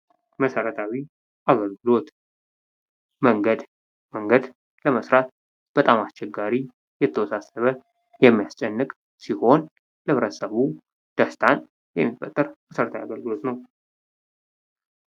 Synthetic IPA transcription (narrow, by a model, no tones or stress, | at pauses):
məsəɾət̪ʰawi | ʔaɡəlɡɨlo̞t̪ | məŋɡəd̪ | məŋɡəd̪ | ləməsɾat̪̚ | b̥ət̪ʼamast͡ʃʰːɛɡːaɾi | jɛt̪ʰːəwɔsasəβə | jɛmːijast͡ʃʼɛnːɨkʼ | siho̞n | lɨβɾət̪səβu | d̪̥əst̪ʰan | jɛ̰mːifət̪ʼːəɾməsəɾət̪ʰawiaɡəlɡɨlo̞t̪nəw